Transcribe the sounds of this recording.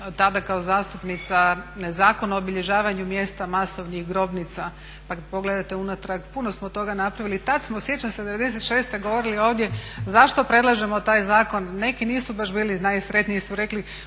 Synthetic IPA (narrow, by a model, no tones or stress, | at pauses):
t̪ad̪akaozaːst̪upnit̪sanezaːkonaoobiʎe̞ʒaːʋaɲumje̞ːst̪amaso̞ʋnixɡɾo̞bnit̪sa | pakad̪̚po̞ɡle̞d̪at̪e̞unat̪ɾaɡpuno̞smot̪o̞ɡanapɾaʋilit̪ad̪smosje̞t͡ɕansed̪e̞ʋe̞d̪ese̞t̪ʃe̞ːst̪eɡoʋo̞ɾilio̞ːʋd̪jezaʃt̪o̞pɾe̞d̪lˠaʒe̞mo̞t̪aːjzaːko̞nːe̞kiniːsubaʒbiːlinajsɾe̞t̪nijisuɾe̞kli